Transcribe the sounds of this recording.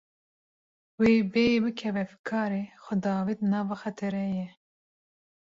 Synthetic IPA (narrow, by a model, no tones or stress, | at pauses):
weːbejbɨkʰɛvɛfkʰɑːɾeːxʷɛd̪ɑːvid̪nɑːvɑxɛt̪ʰɛɾɛjɛ